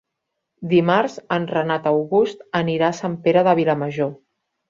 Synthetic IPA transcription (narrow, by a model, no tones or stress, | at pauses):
d̪imaɾzənrənat̪əwɣust̪əniɾaːsampeɾəðəβ̞iləməʒo